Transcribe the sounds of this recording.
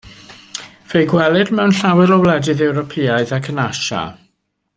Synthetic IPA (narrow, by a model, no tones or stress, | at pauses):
v̥ejɡwɛlˠɪdmɛwnɬawɪlˠɔwlˠɛdɨðɛwɾɔpʰiːaɨðakʰənaʃa̰